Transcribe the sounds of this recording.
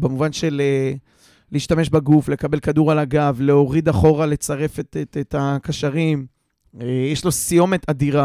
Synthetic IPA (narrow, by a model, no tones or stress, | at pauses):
bemuvanʃe̞le | liiːʃtame̞ʃbaɡufle̞kabe̞lkad̪uʁalaɡavle̞o̞ʁid̪aχo̞ʁale̞t͡saʁe̞fetetet̪akaʃaʁim | jeʃlo̞sijo̞me̞t̪ad̪iʁa